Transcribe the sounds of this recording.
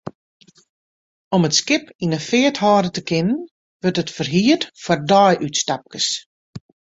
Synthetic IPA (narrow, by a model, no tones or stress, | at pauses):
ɔmətskɪpinəfɪəthɔːdətəkʰɪnən | ʋɵrtətfərɦiətfɔrdɔjʔytstap̚kəs